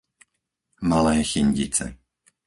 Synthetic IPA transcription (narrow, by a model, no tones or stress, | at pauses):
malɛːxiɲɟit͡sɛ̰